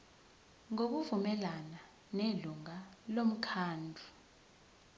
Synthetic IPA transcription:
ŋok̬uvumɛlana | neluŋalom̩kʰaːndʱu

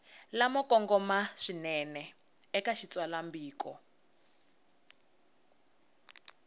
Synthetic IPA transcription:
lamɔkʼɔŋɡɔmaʂinɛnɛ | ɛkaʃit͡swalambiːkɔ

